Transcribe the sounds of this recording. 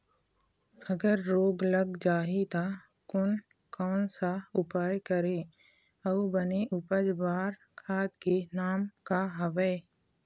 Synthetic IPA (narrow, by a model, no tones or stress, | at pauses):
əɡəɾːoːɡləɡd͡ʒaːɦit̪a | kʊn | kɔːnsaʊpaːjkəɾẽː | ɐubəneʔʊpəd͡ʒbaːɾ | kʰaːt̪kenaːmkaɦəʋəː